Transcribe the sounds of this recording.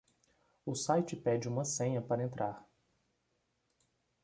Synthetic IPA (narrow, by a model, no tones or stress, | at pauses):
ʊsajt͡ʃɪpɛd͡ʒɪũmɐsẽɲɐpaɾɐẽnt̪ɾaɾ